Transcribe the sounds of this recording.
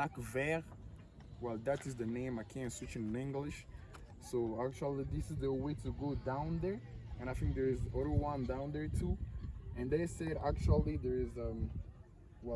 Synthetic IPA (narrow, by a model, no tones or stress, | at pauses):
lakvɛɹ | wɛlˠðætɨzðɨnẽɪ̃maɪkʰɛ̃nswɪt͡ʃɨ̃nnɪ̃ŋɡlɪʃ | soæk̚t͡ʃul̩ˠiðɪsɨzðəweɪɾɨɡodãʊ̃nðə˞ɨ̃ñaɪθɪ̃ŋk̚ðə˞ɪzɔðə˞wʌ̃ndãʊ̃nðə˞tʰuɨ̃nðeɪsɛɾæk̚t͡ʃul̩ˠiðə˞ɪzʌ̃m | wɛ